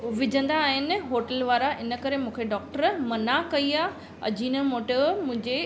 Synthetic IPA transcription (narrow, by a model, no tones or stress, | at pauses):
ʋɪd͡ʑʱə̃nd̪aːɦɪnɪ̆ɦoːʈəlʋaːɾaʔɪnə̆kɐɾemũːkʰeɖɔːk̚ʈəɾmɐnakɐiaː | ɐ̰d͡ʑʱiːnəmoːʈəmʊ̃ɪ̃ɲd͡ʑe